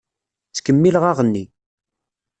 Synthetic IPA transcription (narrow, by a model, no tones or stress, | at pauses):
t͡sːkəmːiləʁaʁənːi